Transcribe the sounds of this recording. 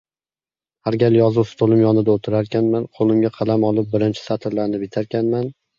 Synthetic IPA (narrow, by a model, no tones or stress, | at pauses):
haɾɡʲaljɒzʊwst̪ʰolˠɪmjɒnɪd̪aot̪ʰɪɾaɾkʲʰanmanqʰolˠɪmɡʲaqʰɑlˠamɒlˠɪp̚bɪɾɪnt͡ʃʰɪ̥sat̪ʰɪɾlaɾnɪpɪt̪ʰaɾkʲʰanman